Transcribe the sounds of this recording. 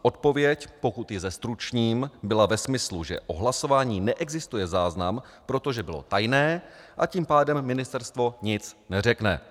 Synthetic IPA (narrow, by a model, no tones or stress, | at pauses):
ʔo̞t̪̚po̞vjɛcpo̞kut̪jɪzɛst̪ɾut͡ʃɲiːmbɪlavɛsmɪsluʒɛ̰ʔo̞ɦlaso̞vaːɲiːnɛʔɛɡzɪst̪ujɛzaːznam | pɾo̞t̪o̞ʒɛbɪlo̰t̪ajnɛː | ʔaciːmpaːdɛmːɪnɪst̪ɛɾst̪vo̞ɲɪt͡snɛr̝ɛknɛ̰